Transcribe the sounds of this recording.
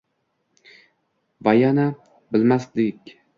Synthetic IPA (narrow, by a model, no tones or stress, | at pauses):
vajana | bɪlmaslɪkʲ